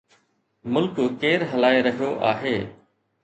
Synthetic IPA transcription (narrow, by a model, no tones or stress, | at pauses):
mʊlkkeːɾɦəlaːeɾəɦijoːʔa̰ːɦeː